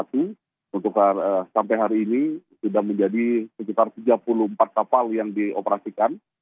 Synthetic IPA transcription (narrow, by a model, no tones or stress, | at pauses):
at̪u | unt̪ʊkasampajɦaɾiːnisudahməɲd͡ʒadisəkit̪art̪id͡ʒapuluhəmpat̪̚kapaljaŋdiopəɾasikan